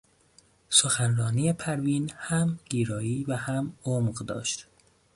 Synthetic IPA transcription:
soxænrɒːniːepʰæɾviːnhæmɡ̥iːɾɒːiːvæhæmoːmɢd̪ɒ̰ːʃt̪

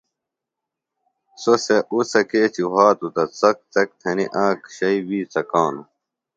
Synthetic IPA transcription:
soseʔusɐkeːt͡ɕiɦaːt̪ut̪ɐt͡sɐk̚t͡sɐk̚t̪ʰɐnḭʔãːkɕɐibiːt͡sɐkaːnu

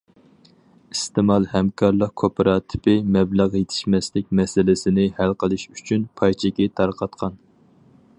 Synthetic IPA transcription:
ist̪ɪmɑlˠhɛmkʰɑɾlˠəqkʰopʰɨɾɑːt̪ʰɪ̥pɪmɛblæʁjet̪ʰɪ̥ʃmɛslɪk̚ʲmɛsɪlɪsɪnɪhælqʰəlˠɨʃyt͡ʃʰynpʰɑjt͡ʃʰɪkʲɛt̪ʰɑɾqʰɑt̪qʰɑn

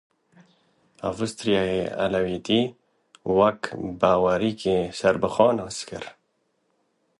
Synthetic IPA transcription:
a̰vɨst̪ɾjɑjeːa̰lawiːt̪iː | wɐkbaːwaɾiːkeːsɐɾbɨxɑːnhɨskɨ̰ɾ

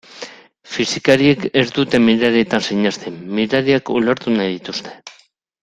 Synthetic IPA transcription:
fisikaɾie̞ke̞zd̪ut̪e̞miɾaɾiet̪ansiɲast̪emmiɾaɾiakoleɾt̪unajðit̪ust̪e̞̥

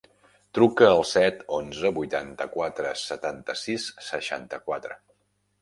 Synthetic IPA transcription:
t̪ɾukəːlˠsɛt̪onzəbujt̪ant̪əkwat̪ɾəsət̪ant̪əsisːəʃa̰nt̪əkwat̪ɾə̰

